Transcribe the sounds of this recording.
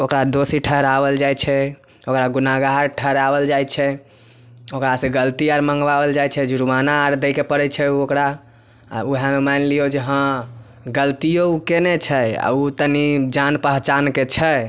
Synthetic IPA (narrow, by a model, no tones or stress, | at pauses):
okɾad̪osiʈʰəɦɾabəld͡ʒajt͡ʃʰɛ | okɾaɡunaɡaɦɾʈʰəɦɾabəld͡ʒajt͡ʃʰɛ | okɾasẽɡəlt̪iaɾmə̃ŋɡbabəld͡ʒajt͡ʃʰɛd͡ʒuɾumanaːɾd̪əkepəɽɛt͡ʃʰɛuokɾa̰ | uɦamemanliod͡ʒeɦə̃ | ɡəlt̪ijoukenet͡ʃʰɛa̰ut̪ənid͡ʒanpəɦt͡ʃanket͡ʃʰɛ